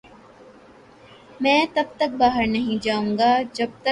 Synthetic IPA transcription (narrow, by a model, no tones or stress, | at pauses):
mɛ̃ːt̪ɐb̚t̪ɐk̚baːɦəɾnɐɦĩd͡ʒaːũːŋɡaːd͡ʒɐb̚t̪ɐ